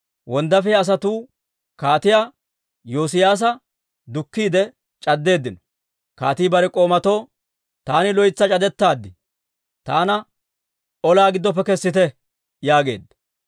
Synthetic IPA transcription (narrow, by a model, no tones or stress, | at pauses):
wɔnd̪ɐfɛɐs̬ɐt̪uː | kaːt̪ɪjaː | joːs̬ɪjaːs̬ɐ | d̪ʊkːiːd̪ɛ | t͡ʃʼɐd̪ːe̞ːd̪ːɪnɔ̥ | kaːt̪iːbɐɾɛkʼo̞ːmɐt̪o̞ː | t̪aːnɪlɔjɪt͡sːɐt͡ʃʼɐd̪ɛt̪ːaːd̪ːɪ | t̪aːnɐ | ɔlaːɡɪd̪ːɔp̬ːɛkɛsːɪt̪ɛ | jaːɡe̞̰ːd̪ːɐ